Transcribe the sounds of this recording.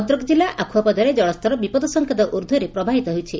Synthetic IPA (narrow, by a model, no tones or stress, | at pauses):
t̪ɾɔkɔd͡ʒilːaʔakʰuwɔpɔd̪ʱɔɾed͡ʒɔɭɔst̪ɔɾɔbipɔd̪ɔsɔŋkʰɔd̪ɔʔuɾd̪ʱuɾepɾɔbʱaɦit̪ɔɦowt͡ʃʰi